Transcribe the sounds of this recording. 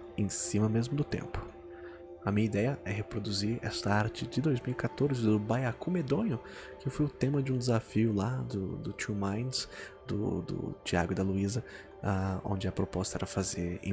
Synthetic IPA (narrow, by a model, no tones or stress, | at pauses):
ẽsĩmɐmezmʊd̪ʊt̪ḛ̃mpʊ̥ | ɐmĩɲɐid̪ɛjɐʔɛɦepɾod̪uziɾɛ̰st̪ɐaɾt͡ʃɪd͡ʒɪd̪ojzmiwikat̪oɾzɪd̪ʊbajakumed̪õnʊ | kɪefojʊt̪ẽmɐd͡ʒɪũd̪ɪzafiʊlad̪ʊd̪ʊt͡ʃumãjnsd̪ʊ̰d̪ʊ̰t͡ʃia̰ɡʊɪd̪ɐluizɐ | aõ̰nd͡ʒɪɐpɾopɔst̪ɐɛ̰ɾɐfazeɾ̰̃